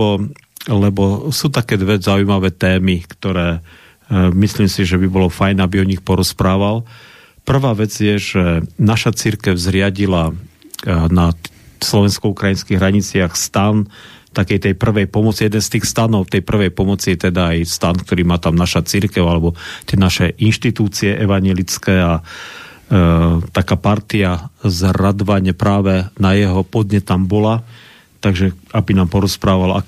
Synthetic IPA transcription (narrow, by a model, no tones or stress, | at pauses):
ɔ | lɛbɔsuːt̪akɛːd̪ʋɛzaujmaʋɛːt̪ɛːmikt̪ɔɾɛː | misliːmsiʒɛbibɔlɔfajnabiɔɲixpɔɾɔspɾaːʋal | pr̩ʋaːʋɛd͡zjɛʒ̥ɛnaʃat͡siɾkɛʊzɾɪaɟila | na | slɔʋɛnskɔukɾajinskiɣɦɾaɲit͡sɪaxst̪ant̪akɛjt̪ɛjpr̩ʋɛjpɔmɔt͡sijɛd̪ɛnst̪iːxst̪anɔʊt̪ɛjpr̩ʋɛjpɔmɔt͡sijɛt̪ɛd̪aːjst̪ankt̪ɔɾiːmaːt̪amnaʃat͡siɾkɛʊalɛbɔt̪ɪɛnaʃɛʔinʃt̪it̪uːt͡siɛʔɛʋaɲɪɛlit͡skɛːa | t̪akaːpaɾt̪iazɾad̪ʋaɲɛpɾaːʋɛnajɛɦɔpɔd̪ɲɛt̪ːambɔla | t̪aɡʒɛabinaːmpɔɾɔspɾaːʋala̰